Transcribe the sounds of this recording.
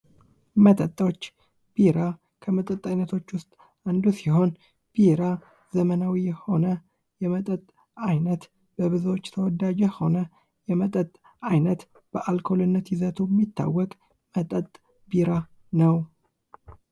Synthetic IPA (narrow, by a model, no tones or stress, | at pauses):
mət̪ʼət̪ʼːot͡ʃː | b̥iɾa | kʰəmət̪ʼət̪ʼːajnət̪ʰo̞t͡ʃːwʊst̪ʼ | and̪usiho̞n | b̥iɾa | zəmənawijɛho̞nə | jɛmət̪ʼət̪ʼ | ajnət̪ | b̥əβɨzwot͡ʃːt̪ʰəwɔd̪ad͡ʒɛho̞nə | jɛmət̪ʼət̪ʼ | ajnət̪ | b̥əʔalkʰo̞lɨnːət̪jizət̪ʰujɛmːit̪ːa̰wːɔkʼ | mət̪ʼət̪ʼ | biɾa | nəw